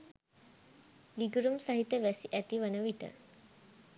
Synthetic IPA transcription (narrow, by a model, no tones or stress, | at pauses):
liɡuɾumsaɦit̪ːəʋæsiʔæt̪iʋənəʋiʈə̰